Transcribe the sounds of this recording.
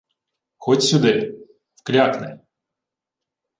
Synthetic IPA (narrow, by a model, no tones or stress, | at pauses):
xɔtʲsʲʊd̪ɪ | fklʲaknɛ̰j